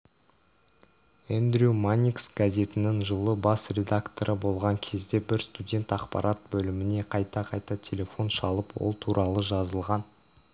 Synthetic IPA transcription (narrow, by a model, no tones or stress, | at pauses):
end̪ɾʲumanʲiksɡazʲe̞t̪ɪnɪŋʒəlˠəbɑsrʲe̞d̪akt̪o̞ɾʔəbo̞lˠʁɑŋkʲʰe̞zd̪e̞bɪɾst̪udʲe̞nt̪ɑqpɑ̰ɾʔɑt̪̚bɵlɪmɪne̞qʰɑjt̪ɑqʰɑjt̪ɑt̪ʲʰe̞lʲe̞fo̞nʃɑlˠəpwo̰lˠt̪ʰuɾʔɑlˠəʒɑzəlˠʁɑn